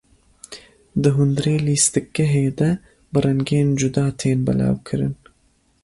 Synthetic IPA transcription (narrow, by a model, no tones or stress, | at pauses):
d̪ɨɦʊnd̪ɾeːliːst̪ɨk̚ːɛɦeːd̪ɐ | bɨrɛŋɡeːnd͡ʒud̪ɑːt̪ʰeːnbɐ̰lɑ̰ːwkʰɨɾɨn